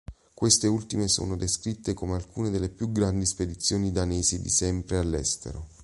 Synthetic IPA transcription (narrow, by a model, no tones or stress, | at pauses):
kwest̪eult̪imeso̰ːnod̪eskɾit̪ːekomealkuːned̪elːepjuɡɾand̪isped̪it̪sːjoːnid̪aneːzid̪ḭsɛmpɾealːɛ̰st̪ḛɾo